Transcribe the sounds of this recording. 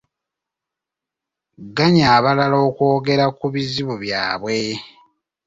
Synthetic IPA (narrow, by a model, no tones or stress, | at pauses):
ɡaɲaːβalalo̞ːkwo̞ːɡe̞ɾakuβiziβuβjaːβwe̞